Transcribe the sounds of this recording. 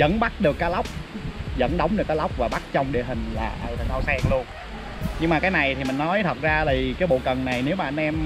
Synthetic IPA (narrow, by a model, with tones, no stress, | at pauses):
zə̰˧˥nɓa˦˥t̚ɗɨ˨˩kːaː˨˦˥jla˦˥wk͡p̚zə̰˧˥nɗə˨˦wŋ͡mɗɨ˨˩əkːaː˨˦la˦˥wk͡p̚vaː˨˩ɓa˦˥t̚t͡ɕɔ˧wŋ͡mɗḛ˧˨ɦï˨˩ŋ̟la̰ː˨˩ʔəː˧˩t̪ʰə˨˩nə˧wsɛ˧ŋlu˧ən | ɲɨ˧ŋmaː˨˩kaː˨˦jna˨˩jt̪ʰi˨˩mï˨˩ŋ̟nɔ˨˦jt̪ʰə˨˩t̚zaː˧ɗi˨˩kaː˨˦jɓo̰˧˨kə˨˩nna˨˩jne˨˦wmaː˨˩ʔa˧nʔɛ˧m